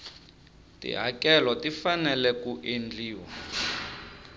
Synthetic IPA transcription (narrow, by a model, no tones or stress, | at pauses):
tḭɦakɛlɔtifanɛlɛkuʔend͡ɮiːwa